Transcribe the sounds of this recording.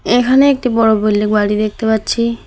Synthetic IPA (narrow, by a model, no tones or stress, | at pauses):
ekʰaneek̚ʈibɔɽobojlːik̚baɽid̪ek̚ʰt̪epatːɕʰi